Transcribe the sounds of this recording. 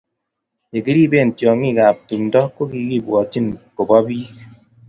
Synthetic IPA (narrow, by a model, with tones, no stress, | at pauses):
e˨ki˦ɾi˦be˦˨n̩˨tjɔ˨ŋi˦˨ka˨p̚tu˨mndɔ˦ko˦ki˨˦ki˦˨bwɔ˨ti˦˨nko˨bɔ˦bi˦k